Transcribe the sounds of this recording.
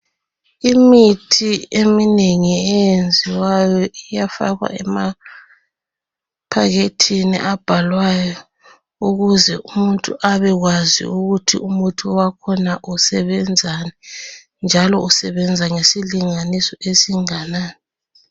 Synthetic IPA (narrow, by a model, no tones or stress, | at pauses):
imitʰiemineŋiɛjend͡zʱiwajɔijafa̰ɣa̰ɛma | pʰaɣetʰinḭʔab̥ʱalwajɔ | uɣuzɛumuntʼṵʔaβɛɣwazḭuɣutʰḭʔumutʰuwakʰɔnaʔusɛβɛnd͡zʱanɛ | nd͡ʒʱalɔusɛβɛnd͡zʱaŋesiliŋanisɔʔesiŋanaːnɛ